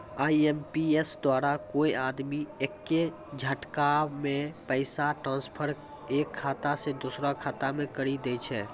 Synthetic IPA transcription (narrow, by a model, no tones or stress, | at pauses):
aːiempiesd̪waːɾakoːiaːd̪miekːe | d͡ʒʱəʈkamẽpəɪsaʈɾãːnspʰəɾ | eːkʰːaːt̪ased̪usɾakʰaːt̪amẽkəɾid̪eːt͡ʃʰɛː